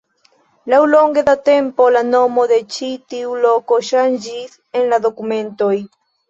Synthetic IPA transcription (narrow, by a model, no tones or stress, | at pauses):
lawlo̞ŋɡed̪at̪e̞mpo̞lano̞mo̞ðe̞t͡ʃit̪iulokoʃand͡ʒis | enlaðo̞kume̞nto̞j